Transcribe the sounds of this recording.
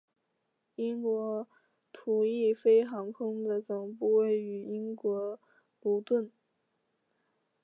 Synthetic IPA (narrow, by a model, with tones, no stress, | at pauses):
i˥ŋkwɔ˧˥ | t̪ʰu˨˩i˥˩fe˥ɪxɑ˧˥ŋkʰɤ˥ŋd̪ə˨t͡sɤ˨˩ŋpu˥˧we˥˩ɪy˧˥i˥ŋkwɔ˧˥ | lu˧˥t̪wə˥˩n